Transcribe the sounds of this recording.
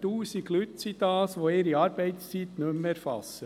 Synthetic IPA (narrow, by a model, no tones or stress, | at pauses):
t̪uːsiɡlyt̪sid̪̥ɑːsʋoeːɾiɑːɾbɛɪt̪st͡sit̪nɵmɛɾfɑ̰sːə